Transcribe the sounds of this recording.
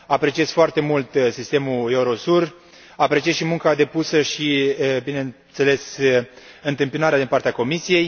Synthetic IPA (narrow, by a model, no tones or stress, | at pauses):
apɾe̞t͡ʃiez̥foart̪e̞mult̪sist̪e̞mue̞uɾo̞sur | apɾe̞t͡ʃieʃimuŋkad̪e̞pusəʃibine̞nt̪se̞le̞s | ɨnt̪ɨmpinaɾead̪inpart̪eako̞misije̞j